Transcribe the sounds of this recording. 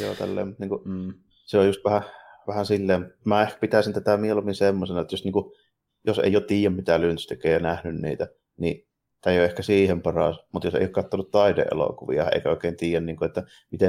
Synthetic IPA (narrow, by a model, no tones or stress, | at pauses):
jo̰ːt̪æ̰lːḛːmmut̪niːŋku | seojust̪ʋæhæ | ʋæhænsilːeːmut̪mæːehkæ̥pit̪æˑsint̪æt̪æmielomːinsemːosenɑet̪ːjosniːku | josḛˑijot̪t̪iːjˑæmmit̪ælynst̪ekˑeˑjjɑnæhnynnḭːt̪æ | nḭ | t̪æjoehkæsiːhempɑrɑ̰ˑsmut̪josḛijoˑkɑt̪ːonut̪t̪ɑidḛʔʔḛlo̰kuʋḭɑḛˑikæoˑekeˑːnt̪iːjˑænniːŋkuet̪ːæ | mit̪e